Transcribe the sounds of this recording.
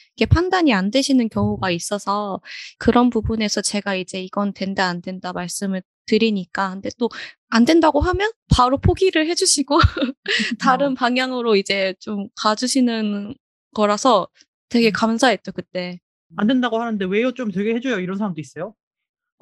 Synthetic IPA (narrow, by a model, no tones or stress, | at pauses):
iɡe̞pʰandaɲiandwe̞ɕʰinɯnkjʌŋuɡais͈ʌsʰʌkɯɾʌnpubune̞sʰʌt͡ɕe̞ɡaid͡ʑe̞iɡʌntwe̞ndaːndwe̞ndamaɭs͈ɯmɯɭ | tɯɾiɲik͈ahɯnde̞t͈o | andwe̞ndaɡoɦamjʌnpaɾopʰoɡiɾɯɭhe̞d͡ʑuɕʰiɡo | taɾɯnpaŋjaŋɯɾoid͡ʑe̞t͡ɕomkad͡ʑuɕʰinɯn | ɡ̥ʌɾasʰʌ | twe̞ɡe̞kamsʰaɦet̚t͡ɕ͈okɯt͈e̞ | andwe̞ndaɡohanɯnde̞we̞jot͡ɕ͈omt̬weɡehed͡ʑojoiɾʌnsʰaɾamndois͈ʌjo